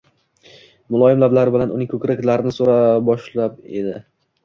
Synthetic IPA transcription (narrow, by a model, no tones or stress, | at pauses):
mʊlˠɒjɪmlablaɾɪbɪlanʊnɪŋkʲʰɵkʲɾakʲlaɾɪnɪsoɾabɒʃlape̞̰d̪ɪ